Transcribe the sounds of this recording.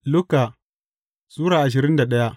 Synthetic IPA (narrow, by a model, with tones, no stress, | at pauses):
lʊ˦ka˨ | suː˦ɾaː˨ʔa˨ʃ̬ɪ˨ɾɪ˦nda˨ɗɐ˦ja˦